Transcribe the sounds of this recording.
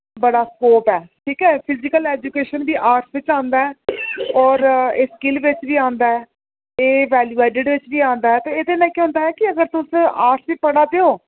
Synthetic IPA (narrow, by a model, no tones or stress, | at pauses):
bəɽaːskoːpɛːʈʰiːkɛːpʰɪzɪkəlɛːd͡ʒukeːʃənbiːʔaːɾʈsʋɪt͡ʃãːnd̪aːɛːɔːɾeːskɪlʋɪt͡ʃʋiːãːnd̪aːɛː | eːʋɛːljuːeːʈɪɖʋɪt͡ʃbiːãːnd̪aːɛːt̪õːeːd̪eːnãːkeɦʊ̃ːnd̪aːɦɛːkɪəɡəɾt̪ʊsaːɾʈsʋiːpəɽaːd̪eoː